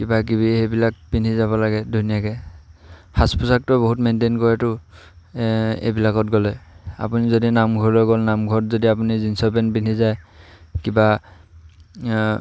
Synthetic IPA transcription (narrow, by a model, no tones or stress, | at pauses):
kibakibiebilak̚pinizabɔlaɡɛdʱunijakɛ | haspusak̚tɔboɦutmentenkɔɹatʊ | ḛjbilakɔtɡɔlɛa̰punizodinamɡʱɔɹlɔɡɔlnamɡʱɔtzodiap̬unizinsɔpɛnpinizajkiba